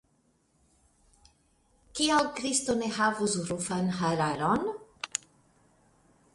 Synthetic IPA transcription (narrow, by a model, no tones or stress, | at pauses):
kiawkɾist̪oneɦavusɾufanɦaɾaɾon